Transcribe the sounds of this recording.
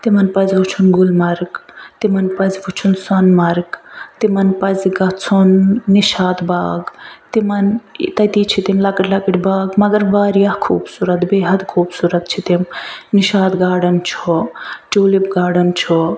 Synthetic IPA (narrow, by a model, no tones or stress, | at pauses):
t̪imɐnpɐzbut͡ʃʰunɡulmɐɾɡt̪imɐnpɐzbut͡ʃʰunsɐnmɐɾɡt̪imɐnpɐzɡɐt͡sʰunːiʃaːd̪ba̰ːɡt̪imɐnt̪ɐt̪it͡ʃʰit̪emlakiʈʰlakiʈbaːɡmɐɡɐɾʋaːɾijahkʰṵːbsuɾɐt̪beːɦɐd̪kʰuːbsuɾɐt̪̚t͡ʃʰit̪emniʃaːd̪ɡaːɽɐnt͡ʃʰot͡ʃoːlibɡaːɖɐnt͡ʃʰo